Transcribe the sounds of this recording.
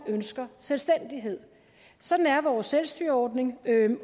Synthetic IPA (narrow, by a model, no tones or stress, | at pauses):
ønsɡ̥ɐselsd̥en̰d̥iɦe̝ð̰ˠ | sɒ̽d̥n̩æɐʋɒːsːelsd̥yɐɒːd̥ne̝ŋ